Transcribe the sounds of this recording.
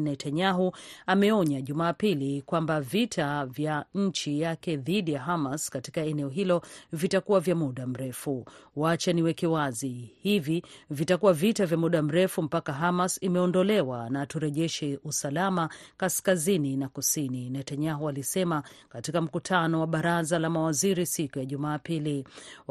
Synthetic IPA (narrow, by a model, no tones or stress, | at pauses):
nɛtaɲaɦuamɛɔɲaʄumaːpilikwambavitʰavjaɲ̩t͡ʃijakɛðiɗijaɦamaskati̥kaɛnɛɔɦilɔvitakuwavjamuɗam̩ɾɛfuwat͡ʃaniwɛkɛwazihivivitakuwavitavjamuɗam̩ɾɛfum̩pakaɦamasimɛɔndɔlɛwanatuɾɛʄɛʃɛʔusalamakaskazininakusininɛtaɲaɦɔalisɛmakatikam̩kutʰanɔwaɓaɾazalamawaziɾisikujaʄumaːpili